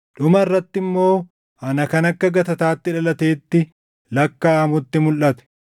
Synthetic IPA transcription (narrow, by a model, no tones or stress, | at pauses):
ᶑʊmɐɪrːɐt̪ːɪmːo̞ː | ɐnɐkɐnɐkːɐɡɐt̪ɐt̪aːt̪ːɪᶑɐlɐt̪e̞ːt̪ːɪ | lɐkːaːmʊt̪ːɪmʊlʔɐt̪ɛ̥